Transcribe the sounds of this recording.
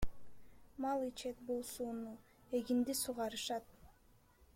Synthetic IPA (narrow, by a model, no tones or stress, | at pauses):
mɑlˠit͡ʃʰet̪̚bolˠsuːnu | e̞ɡind̪isuʁɑɾɯʃɑt̪̚